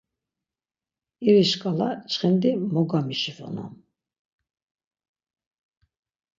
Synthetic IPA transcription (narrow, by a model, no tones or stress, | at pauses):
iɾiʃkʼalat͡ʃχɛnd̪imɔɡamiʃifɔ̰na̰n